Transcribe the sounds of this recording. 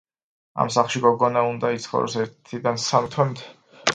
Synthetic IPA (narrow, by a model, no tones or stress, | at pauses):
a̰msaχlˠʃiɡɔɡɔnaund̪ait̪sʰχɔ̰ɾɔ̰sɛɾt̪ʰid̪ansamt̪ʰwɛmt̪ʰ